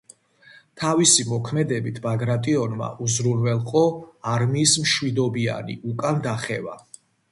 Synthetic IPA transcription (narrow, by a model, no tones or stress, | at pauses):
t̪ʰavisimɔkʰmɛd̪ɛbit̪ʰbaɡɾat̪ʼiɔnma̰ʔuzɾunvɛlˠqʼɔaɾmiːsmʃwid̪ɔbia̰nḭʔukʼand̪aχɛva̰